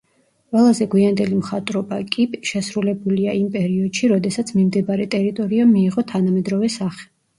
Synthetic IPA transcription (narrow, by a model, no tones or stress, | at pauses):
qʼwɛlˠazɛɡwiand̪ɛlimχat̪ʼɾɔbakʼipʃɛsɾulɛbuliaʔimpʼɛɾiɔd̪̥ʃiɾɔd̪ɛsat̪sʰmimd̪ɛbaɾɛt̪ʼɛɾit̪ʼɔɾiamːiːʁɔt̪ʰanamɛd̪ɾɔvɛsaχɛ̥